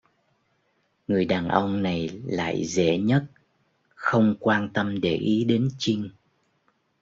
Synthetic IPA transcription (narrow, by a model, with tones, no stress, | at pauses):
ŋɨ˨˩əjɗaː˨˩nʔə˧wŋ͡mna˨˩jla̰ː˧˨jzḛ˧˥ɲə˦˥t̚ | xə˧wŋ͡mkwaː˧nt̪ə˧mɗe˧˩ʔi˨˦ɗe˨˦nt͡ɕï˧ŋ